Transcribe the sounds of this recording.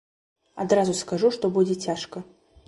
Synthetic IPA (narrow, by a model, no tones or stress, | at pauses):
ad̪ɾazʊskaʐuʂt̪ɔbud͡zʲɛt͡sʲaʂkɐ